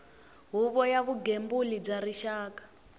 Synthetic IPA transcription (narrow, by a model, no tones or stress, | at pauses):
ɦuβɔjaβuɡembulib͡ʐaɾiʃaːkḁ